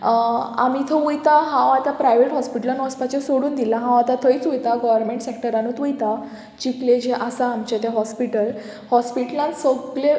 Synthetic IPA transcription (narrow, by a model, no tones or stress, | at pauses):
a̰mit̪ʰəujt̪aɦãwat̪apɾajʋeʈɦɔspiʈəlanəspat͡ɕsoɽuːnd̪ilaɦãw̃at̪at̪ʰəit͡sujt̪aɡɔʋəɾmeɳʈsek̚ʈəɾãnuːt̪ʋujt̪a | t͡ɕikled͡ʑeʔasaːmt͡ɕet̪eɦɔspiʈəl | hɔspiʈlãnsəɡle